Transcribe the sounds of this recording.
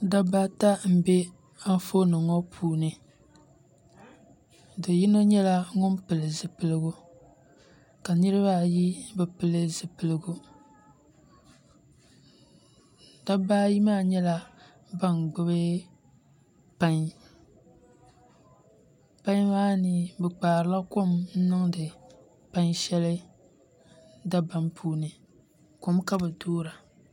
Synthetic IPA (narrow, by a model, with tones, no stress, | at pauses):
da˦baː˦ta˦m̩˨bɛ˦ | a˦n˦fo˦nɨ˨ŋɔ˦pʰuː˦nɨ˨ | dɨ˨ji˦no˦ɲɛ˦la˦ŋʊ˦npɨ˨lɨ˨zɨ˨pɨ˨lɨ˦ɡu˦ | ka˨nɨ˦ɾɨ˦ba˦˨ji˦bɨ˨pɨ˨lɨ˦zɨ˨pɨ˨lɨ˦ɡu˦ | da˦baː˦ji˦maː˦˨ɲɛ˦la˦ | ba˦nɡ͡bɨ˦bɨ˦ | pa˦ŋ˦ | pa˦ɲ˦maː˦nɨ˨bɛ˨k͡paː˨ɾɨ˨˦la˦ko˦mn̩˦nɨ˦ŋdɨ˨ | pa˦ŋ˦ʃɛ˦lɨ˦ | da˦ba˦npʰuː˦nɨ˨ | ko˨mka˦bɨ˨doː˦ɾa˨